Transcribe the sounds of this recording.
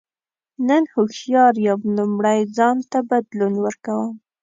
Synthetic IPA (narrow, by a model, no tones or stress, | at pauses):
nənhʊxjɑɾjawlumɽajd͡zɑnt̪abad̪lunwəɾkawəm